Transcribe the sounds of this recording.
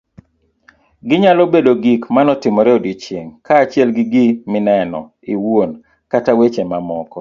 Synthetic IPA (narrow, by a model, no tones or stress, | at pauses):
ɡɪɲalɔbedoɡikmanɔtɪmɔɾɛɔdit͡ʃjeŋkʰaːt͡ʃjɛlɡɪɡimɪnɛnɔ̰ | iwon | katawet͡ʃemamɔkɔ